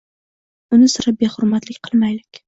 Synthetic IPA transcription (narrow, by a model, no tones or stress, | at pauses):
ʊnɪsʊɾap̚behʊɾmat̪lɪkʲqʰɨlˠmajlɪkʲ